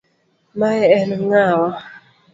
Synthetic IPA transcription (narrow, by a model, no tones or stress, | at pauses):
majɛɛnŋawa